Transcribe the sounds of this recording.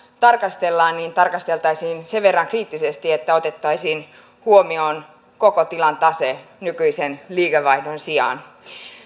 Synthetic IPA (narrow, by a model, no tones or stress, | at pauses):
t̪ɑrkɑst̪elːɑːnniːnt̪ɑrkɑst̪e̞lt̪ɑisiːnseʋʋe̞rːɑŋkriːt̪ːisest̪iet̪ːæo̞t̪et̪ːɑisiːn | huomioːn | kokot̪ilɑnt̪ɑsenykyisenliːkeʋɑidonsiɑ̰n